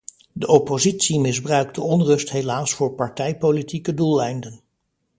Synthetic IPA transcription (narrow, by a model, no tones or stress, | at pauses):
dəʔopozitsimɪzbrœɥk̚dəɔnrɵstɦejlaːsfʊːɹpɑɹtɛjpolitikədulˠɛjndən